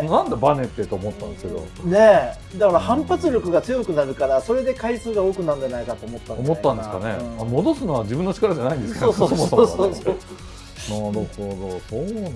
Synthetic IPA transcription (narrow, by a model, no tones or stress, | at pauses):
nnãnd̪ebane̞t̪ːet̪oːmo̞t̪ːã̰nd̪eske̞d̪o̞̰ | ne̞ | d̪akaɾahãmpat͡sɨɾʲo̞kɯ̟ɡat͡sɨjo̞kɯ̟naɾɯ̟kaɾaso̞ɾe̞d̪e̞kaisɨːɡao̞ːkɯ̟naɯ̃ndanaikat̪oːmo̞t̪ːãomo̞t̪ːãnd̪e̞sɨ̥ka̰nḛanmo̞d̪o̞sɨnoβad͡ʑibɯ̟nːot͡ɕi̥kaɾad͡ʑanaind̪sksoːsosomosooːsoso | naɾɯ̟hod̪o̞soːn